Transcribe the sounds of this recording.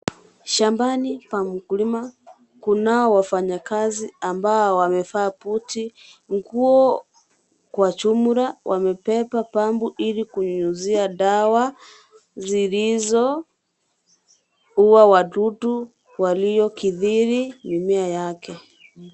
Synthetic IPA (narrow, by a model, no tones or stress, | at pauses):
ʃambanipam̩kulima | kunaɔwafaɲakaziambaɔwamɛfaːputiŋɡuɔ | kwat͡ʃumuɾawʔamɛpɛpapambuʔilikuɲɲuziaɗawa | zilizɔ | uwawaɗutu | walijɔkiðiɾinimiajakɛ